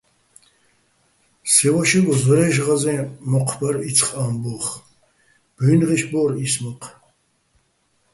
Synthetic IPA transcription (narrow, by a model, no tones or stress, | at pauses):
sɛwaʃiɡɔzɔɾɛːʃʁazɛ̃ːmɔqʰbaɾit͡sʰχʼaːmbɔːχ | b̥iːnʁiʃbɔɾismɔqʰ